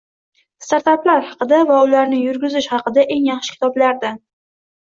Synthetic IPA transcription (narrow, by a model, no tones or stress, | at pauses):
st̪aɾt̪aplaɾhɑqɨd̪avaʊlaɾnɪjʊɾɡʲʊzɪʃhɑqɨd̪aʔe̞ŋjɑχʃɪ̥kʲʰɪ̥t̪ʰɒblaɾd̪a